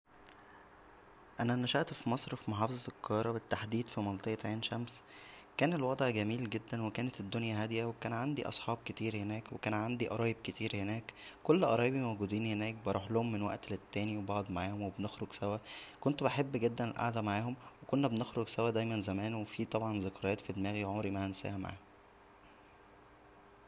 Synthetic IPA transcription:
ʔænænæʃæʔt̪fimɑsˤɾfimoħɑːfezˤɑelqʰːɑɑɾˤɑbet̪ːaħd̪iːd̪fimɑlt̪ˤeʔt̪ʕeːnʃæmskæːnelwɑd̪ˤʕɡæmiːlɡed̪ːænwekæːnet̪ed̪ːonjæɦæd̪jæwekæːnʕand̪iʔɑ̰sˤħɑːb̚ket̪iːɾhenæːkwekæːnʕand̪iʔɑɾˤɑːjeb̚ket̪iːɾhenæːkkolːʔɑɾˤɑːjebimæwɡud̪iːnhenæːk̚bɑɾˤuːħlohomːenwæ̰ʔt̪let̪ːæːniwebɑʕod̪ˤmaʕaːhomwebnexɾoɡsæwækont̪obeħebːɡed̪ːænelʔa̰ʕd̪æmaʕaːhomwekonːæbenexɾoɡsæwæd̪æjmænzæmæːnwefiːt̪ˤɑbʕɑnzɑkɾˤɑjæːt̪fid̪emæːɣiʕomɾimæhænsæ̰ːhæma̰ʕa̰ːhm

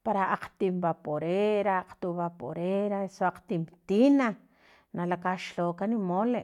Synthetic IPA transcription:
paɾaʔaq͡χt̪imbapoɾeɾaq͡χt̪uβapo̰ɾeɾasoaq͡χt̪imt̪ina | nalakaʃloːkanimoleʔ

